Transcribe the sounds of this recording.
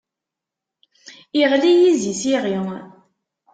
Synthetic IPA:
iʁlijizisiʁi

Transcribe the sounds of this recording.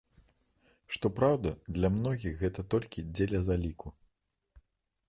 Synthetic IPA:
ʂt̪ɔpɾawd̪ɐd̪lʲɐmnɔɣʲixɣɛt̪ɐt̪ɔlʲkʲid͡zʲelʲɐzalʲikʰu

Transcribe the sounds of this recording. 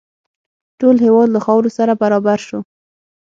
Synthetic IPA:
ʈolɦewɑd̪laxɑwɾosaɾabaɾɑbaɾʃo

